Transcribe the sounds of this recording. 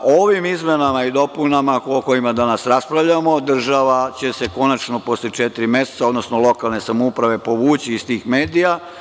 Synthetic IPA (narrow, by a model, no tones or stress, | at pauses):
oʋimizmenamaid̪o̞punamaoko̞jimad̪anasɾaspɾaʋʎamo̞d̪r̩ʒaʋat͡ɕe̞se̞ko̞nat͡ʃno̞po̞sleet͡ʃet̪iɾimje̞se̥t̪sao̞d̪no̞snolo̞kalne̞samoupɾaʋe̞po̞ʋuːt͡ɕiːst̪iːxme̞ːd̪ija